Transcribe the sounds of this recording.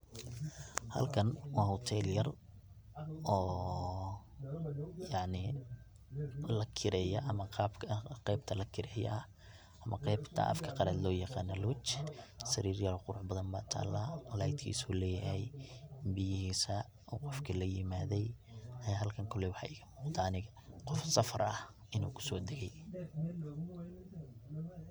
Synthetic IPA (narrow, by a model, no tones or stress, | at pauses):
hɐ̰lkʰɐnwɑːhɔt̪ʰɛljɐr | ɔː | jɑʕnɪ | lɐkʰɪɾɛjɐʔɐmɐqɑːbkʰɐqɛjbt̪ʰɐlɐkʰɪɾɛːjɛ̰ʔɐ | ʔɐmʔɐqɛjbt̪ʰɐ̰ʔɐ̰fkʰɐ̥qɑɾaːd̪lɔːjɑqɑːnɐluwt͡ʃsɐɾiːrjɐɾɔqʊɾʊʕbɐðɐmbaːt̪ʰa̰ːlːaːlajd̪kʰḭːsuːlɛːjɐhɛjbɪjɪhiːsɐ | ɔːqɔfkʰɐlɐjɪmaːðɛjɦɐlkʰɐŋkʰʊlɛwħɑ̰ɪɣɐmuːqt̪ʰaːnɪɣɐqɔfsɐfɐɾɐh | ɪnṵːkʰʊ̥sɔːd̪ɛɣɛj